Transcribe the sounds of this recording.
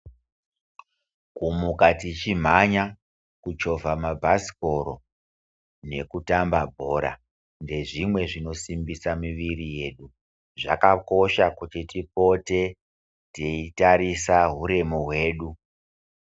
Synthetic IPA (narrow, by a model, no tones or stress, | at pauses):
kumukatit͡ʃim̤aɲa | kut͡ʃo̞vʱamabʱasi̥ko̞ɾo̞ | ne̞kutambabʱo̞ːɾa̰ | nde̞ʐimwe̞ʐino̞simbisamiʋirije̞ːɗu | ʐa̰kako̞ʃakutitipo̞te̞ | teitaɾisaɦuɾe̞moɦwe̞ːɗu